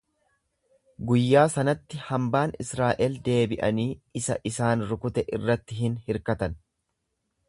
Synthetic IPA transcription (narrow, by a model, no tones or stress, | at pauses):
ɡʊjːaːsɐnɐt̪ːɪhɐmbaːnɪsɾaːʔɛld̪e̞ːbɪʔɐniːɪsɐ̰ʔɪsaːnɾʊkʊt̪ɛʔɪrːɐt̪ːɪɦɪnhɪɾkɐt̪ɐn